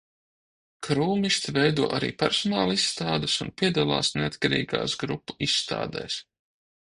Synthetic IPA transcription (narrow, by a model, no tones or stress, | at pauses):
kɾuːmiʃt̪vɛjd̪uɔʔaɾḭːpɛɾsɔnaːlˠisːt̪aːd̪ɨsunpʲiɛd̪alˠa̰ːsneat̪kaɾḭːɡa̰ːsɡɾupːu̥isːt̪a̰ːd̪ɛ̰js